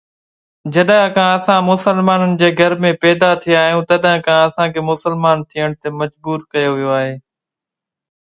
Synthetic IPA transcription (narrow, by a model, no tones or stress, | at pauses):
d͡ʑɐɗãkãɐsãːmʊsəlmaːnənɪ̆d͡ʑeːɡʱɐɾmẽpɛːd̪at̪ʰijaːɦijũːt̪ɐɗãkãɐsãkʰeːmʊsəlmaːnt̪ʰijəɽ̃t̪emɐd͡ʑbuːɾkɐjoʋijoaːɦeː